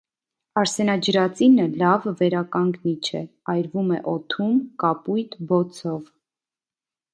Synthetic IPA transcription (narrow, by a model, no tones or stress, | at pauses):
ɑɾsɛnɑd͡ʒəɾɑt͡sinəlɑvːɛɾɑkɑŋɡnit͡ʃʰɛ̰ɑjɾvumɛ̰ʔɔt̪ʰumkɑpujt̪bɔt͡sʰɔv